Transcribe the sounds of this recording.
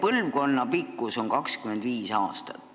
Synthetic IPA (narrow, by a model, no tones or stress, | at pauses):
pɤlvko̞nːɑpikːˑuso̞ŋkɑkskymend̪viːsɑ̰ːst̪ɑ̥̰t̪